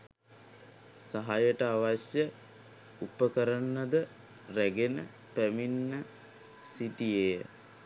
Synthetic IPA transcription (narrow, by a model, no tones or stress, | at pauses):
saɦajəʈəaʋasjə | upəkəɾənːəd̪ə | ræɡenə̰ | pæminːə | siʈijejə